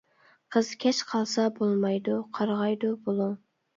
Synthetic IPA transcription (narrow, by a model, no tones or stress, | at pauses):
qʰəz̥kʲʰɛt͡ʃqʰɑlˠsɑbolˠmɑjd̪uqʰɑɾʁɑjd̪ubolˠu